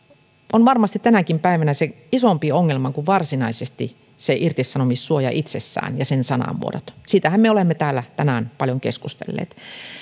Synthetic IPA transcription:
onʋɑrmɑst̪it̪ænækimpæiʋænæse | isompioŋːelmɑkuʋʋɑrsinɑisest̪ḭ | seʔirt̪isːɑnomissuojɑ̰ʔit̪sesːæ̰ːnjɑsensɑnɑ̰ʋṵo̰ɾo̰t̪siːt̪æhæmmeolemːet̪æːlːæt̪ænænpɑljoŋkeskust̪ḛlːḛːt̪

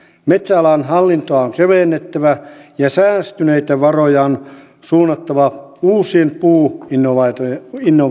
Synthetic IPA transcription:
met̪sælæːnhɑlːint̪oɑoŋkeʋeˑnːet̪ːæʋæjɑsæːst̪yneit̪æʋɑrojɑon | suːnːɑt̪ːɑʋɑuːsiempuːinːoʋɑt̪inːo

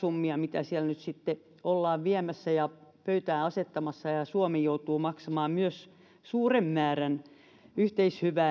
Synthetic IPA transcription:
umːiɑmit̪æsielnyt̪sit̪ːe | olːɑːʋʋiæmæsːæjɑpøyt̪æːɑset̪ːɑmɑsːɑjɑsuomijout̪uːmɑksɑmɑːmmyøs | suːremːæːræn | yht̪eishyʋæː

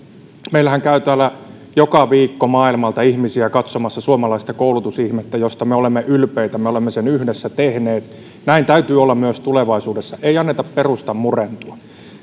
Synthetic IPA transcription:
meilæhæŋkæyt̪æːlːˑæ | jokɑʋiːkːomɑːilmɑlt̪ɑihmisiækɑt̪somɑsːɑsuomɑlɑist̪ɑkoulut̪usihmet̪ːæjost̪ɑmeolemːeʔylpeit̪æmeolemːesenyhdesːæt̪ehneːt̪ | næint̪æyt̪yːolːɑmmyøst̪uleʋɑisuːdesːɑʔeiɑnːet̪ɑpperust̪ɑmmurent̪uɑ

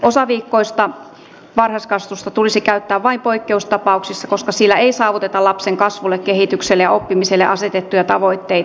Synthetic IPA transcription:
ʔosɑʋiːkːoist̪ɑ | ʋɑrhɑskɑst̪ust̪ɑt̪ulisikæyt̪ːæːʋʋɑimpoikːeust̪ɑpɑuksisːɑkoskɑsilːæeisɑːʋut̪et̪ɑlɑpseŋkɑsʋulːˑekkehit̪ykselːejɑopːimiselːeʔɑset̪et̪ːujɑt̪ɑʋo̞it̪ːei

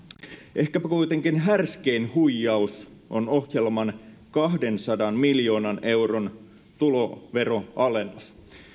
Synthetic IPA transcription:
ʔe̞hkæpækujt̪eŋkinɦærskeinhujːɑusʔonohjelmɑn | kɑɦde̞nsɑdɑnmiljo̞ːnɑne̞wron | t̪ulo̞ʋe̞ɾoʔɑle̞nːɑs

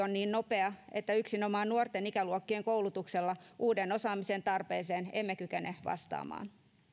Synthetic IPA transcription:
onniːnnope̞ɑet̪ːæyksinomɑːnnuort̪enikæluokːieŋkowlut̪ukselːɑʔuːdeno̞sɑːmisent̪ɑrpeːseːnemːekykeneʋɑ̰st̪ɑ̰ːmɑ̰ːn

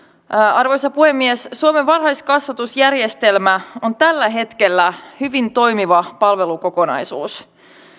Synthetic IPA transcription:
ɑrʋojsɑpuhe̞mːiesːuomeʋʋɑrhɑjskɑsʋɑt̪usjærje̞st̪e̞lmæo̞nt̪ælːæɦe̞t̪ke̞lːæhyʋint̪o̞jmiʋɑpɑlʋe̞luko̞ko̞nɑ̰jsuːs

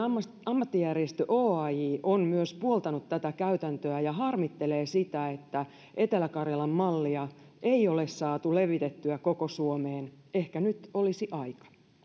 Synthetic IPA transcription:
ɑmːɑt̪ːijæriest̪øʔoːɑjiːʔonmyøspuolt̪ɑnut̪t̪æt̪ækæyt̪ænt̪øæjɑɦɑrmit̪ːeleːsit̪æet̪ːæ | ʔe̞t̪elækɑrjɑlɑmmɑlːiɑ | ʔeiolessɑːt̪uleʋit̪et̪ːyækokosuomeːn | ehkænyt̪olisiʔɑikɑ̥

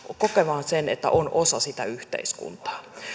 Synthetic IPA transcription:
kokeʋɑːnsenḛt̪ːæ̰ʔonosɑsit̪æyht̪ḛiskṵnt̪ɑ̥ː

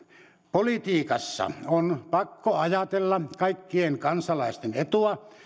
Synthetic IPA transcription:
polit̪iːkɑsːɑ̰onpɑkːoɑjɑt̪elːɑkɑikːieŋkɑnsɑlɑˑest̪enet̪uɑ

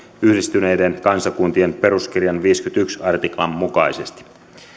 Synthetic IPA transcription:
yhdist̪yne̞jdenkɑnsɑkunt̪ie̞npe̞ɾusk̟irjɑnʋiːskyt̪yksɑrt̪iklɑmːukɑise̞st̪i̥

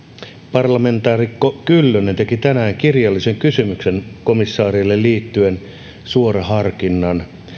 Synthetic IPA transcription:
pɑrlɑme̞nt̪ɑːrikokylːønent̪ekit̪ænæːŋkirjɑlːiseŋkysymyksenkomisːɑːrilːelliːt̪ːyen | suorɑhɑrkinːɑn

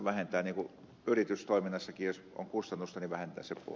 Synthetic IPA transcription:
ʋæhent̪æːniːŋku | yrit̪yst̪oˑiminːɑsːɑkijos | o̰ŋkust̪ɑnːust̪ɑniʋæhent̪æ̰ːsepṵ

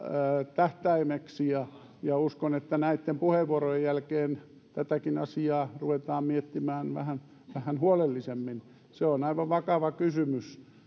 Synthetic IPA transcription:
t̪æht̪æimeksijɑ | jɑuskonet̪ːænæit̪ːempuheʋʋuorojejjælkeːn | t̪æt̪ækinɑ̰siɑːruʋet̪ɑːmmiet̪ːimæːnʋæ̰hæn | ʋæhænhuolelːisemːin | seonɑiʋɑʋʋɑkɑʋɑkysymys

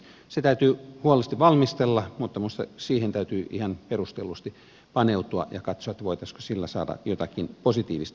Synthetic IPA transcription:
set̪æyt̪yːhuolest̪iʋɑlmist̪elːɑmut̪ːɑmust̪ɑ̰siːhent̪æyt̪yːʔihɑnperust̪elːˑust̪i | pɑneut̪uɑ̰jɑ̰kɑt̪soɑet̪ːæʋoit̪ɑsko̥silːæsɑ̰ːdɑ̰jot̪ɑkinposit̪iːʋist̪

